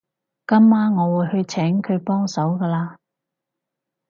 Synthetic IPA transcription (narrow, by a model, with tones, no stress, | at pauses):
kɐ˥mːaː˥nŋɔː˨˧wuː˨˩jhɵ˧ɥt͡sʰɛː˨˥ŋkʰɵ˨˧ɥpɔː˥ŋsɐ˨˥wkɐː˧laː˧